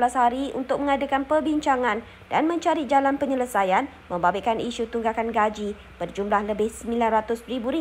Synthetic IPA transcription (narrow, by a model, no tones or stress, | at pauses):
lashaɾiṵnt̪ʊk̚mə̃ŋadakanpərbiɲt͡ʃaŋãn | danmə̃ɲt͡ʃaɾid͡ʒalanpəɲələsajan | mə̃mbabekaniʃut̪uŋɡakanɡad͡ʒi | b̥ərd͡ʒumlahləbɪhsəmilanrat̪ʊspɾibuɾi